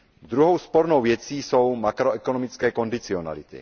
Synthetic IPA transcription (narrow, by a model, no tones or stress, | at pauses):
d̪ɾuɦɔwspɔɾnɔwʋjɛt͡siːsowmakɾɔɛkɔnɔmit͡skɛːkɔnd̪it͡siɔna̰lit̪ḭ